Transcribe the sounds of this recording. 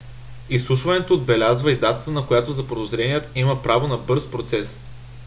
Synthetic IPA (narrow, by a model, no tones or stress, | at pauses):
islˠuʃvɐnɛt̪oːd̪̚bɛlʲazvəid̪at̪ə̥t̪ənɐkojat̪ozɐpod̪ozɾɛnijət̪iməpɾavonɐbɤɾspɾot̪sɛs